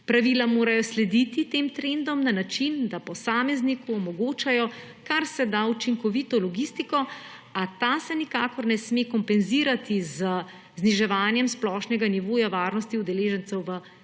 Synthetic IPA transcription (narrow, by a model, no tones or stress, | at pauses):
pɾaʋiːlamoːɾajɔslɛd̪it̪it̪eːmt̪ɾend̪ɔmnanat͡ʃind̪apɔsaːmɛznikuɔmɔɡoːt͡ʃajɔ | kaɾsɛd̪aut͡ʃiŋkɔʋit̪ɔlɔɡiːst̪ikɔ | at̪asɛnikakɔɾnɛsmekɔmpɛnziɾat̪izə | zniʒɛʋaːnjɛmsplɔʃnɛɡaniʋoːjaʋaːɾnɔst̪iud̪ɛleːʒɛnt̪sɛwʋə